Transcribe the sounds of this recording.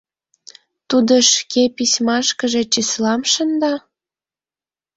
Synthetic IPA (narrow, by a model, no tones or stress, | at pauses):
t̪ud̪əʃkepisʲmɑʃkəʒe̽t͡ɕislɑmʃənd̪ɑ